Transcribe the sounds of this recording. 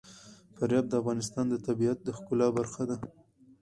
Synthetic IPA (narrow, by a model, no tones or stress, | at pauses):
faɾjɑb̚d̪əafɣɑnɪs̬t̪ɑnd̪ət̪abiat̪̚d̪əxkʊlɑbaɾxad̪a